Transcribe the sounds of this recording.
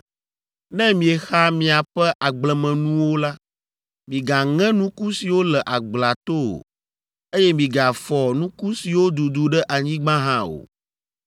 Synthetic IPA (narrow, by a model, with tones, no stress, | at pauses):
nɛ̃˦mĩ˨ɛ˨xa˦mĩ˨a˨ɸɛ˦ʔa˨ɡ͡blɛ˨mɛ̃˨nũ˦wo˦la˦ | mĩ˨ɡa˨ŋɛ̃˦nũ˦ku˦si˨wo˦lɛ˨ʔa˨ɡ͡bla˨t̪o˦o̰˨ | e˦jɛ˦mĩ˨ɡa˨fɔ˨nũ˦ku˦si˨wo˦d̪u˨d̪u˨ɖɛ˦ʔa˨ɲĩ˦ɡ͡bã˦ɦã˦o̰˨